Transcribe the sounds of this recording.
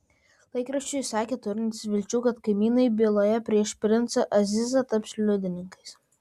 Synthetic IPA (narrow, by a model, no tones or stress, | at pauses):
lˠɐɪkɾɐʃʲt͡ʃʲʊjsɑːkʲeːt̪ʊɾʲɪnt̪ʲɪsʋʲɪlʲt͡ʃʲuːkɐt̪kɐɪmʲiːnɐɪbʲeːlˠoːjɛpʲɾʲiɛʃpʲɾʲɪnt̪sɐʔɐzʲɪzɐt̪ɐpslʲʊd̪ʲɪnʲɪŋkɐɪs